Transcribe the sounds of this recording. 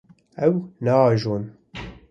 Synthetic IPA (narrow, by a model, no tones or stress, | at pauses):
ɛwnɑːʒoːn